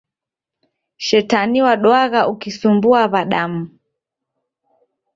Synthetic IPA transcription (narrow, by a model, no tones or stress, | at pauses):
ʃɛtaniwaɗwaɣaʔukisumbuaβaɗam̩